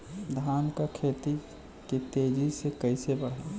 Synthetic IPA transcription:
d̪ʱaːnkakʰeːt̪i | kit̪eːd͡ʒisekəɪsebəɽ̤ɦaː

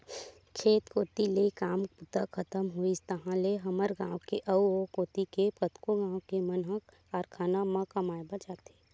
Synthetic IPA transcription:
kʰeːt̪koːt̪ilekaːmput̪akʰət̪əmɦoist̪əɦãleɦɐməɾɡãːwkeʔɐuokoːt̪ikepət̪koɡãːwkemənɦək | aːɾkʰaːnamãkɐmaːebət͡ʃaːt̪eː

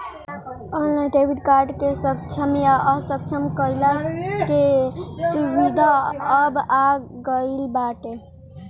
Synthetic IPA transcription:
əllãʈebiʈkaɾɖkesək̚t͡ʃʰəmjaʔəsək̚t͡ʃʰəmkəjlakesubid̪ʱaəbaɡəilbaʈe

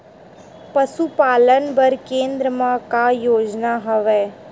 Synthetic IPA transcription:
pɐsupaːlənbɐɾkẽːnd̪ɾəmãkajoːd͡ʒnaɦɐʋɛː

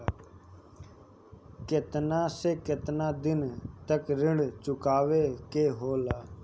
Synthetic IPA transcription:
kɪt̪naːseːkɪt̪nãːd̪ɪnt̪əkɾɪɳɖt͡ʃʊkaːʋeːkeːɦoːlaː

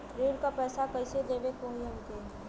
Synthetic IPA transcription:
ɾeːɽkapɛːsakɐɪsed̪eːʋekoɦiə̃nt̪eː

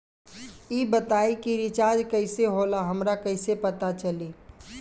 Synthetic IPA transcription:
iːbət̪aːikiɾɪt͡ʃaːɾd͡ʒkɐɪseɦoːlaɦɐmɾakɐɪsepɐt̪at͡ʃɐliː

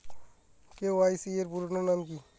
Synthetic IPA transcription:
keʋaːisieɾpuɾnonamki

